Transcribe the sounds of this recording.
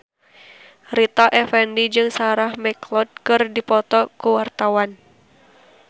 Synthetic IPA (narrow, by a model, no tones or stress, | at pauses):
rit̪aʔɛfɛndid͡ʒɨŋsaɾahmɛklɔt̪̚kɨrdipɔt̪ɔkuwart̪awan